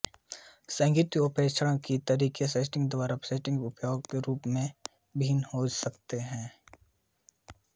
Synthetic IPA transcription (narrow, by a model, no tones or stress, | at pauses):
sãːŋɡiːt̪opʰeːt͡ʃʰəɽə̃kit̪ɐɾiːkeseːsʈɪ̃ŋɡd̪ʊwaːɾapseʈɪ̃ŋɡʊpjoːɡkeɾuːpmẽ | bʱiːnhosɐkt̪eɦɛ̃ː